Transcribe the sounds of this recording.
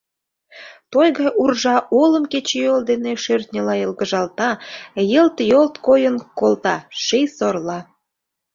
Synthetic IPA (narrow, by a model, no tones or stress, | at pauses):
t̪ojɣɑjʔurʒɑʔolə̆mket͡ɕejold̪eneʃørt̪nʲə̆lɑjə̆lɣəʒɑlt̪ɑjə̆lt̪jolt̪kojənkolt̪ɑʃejsorlɑ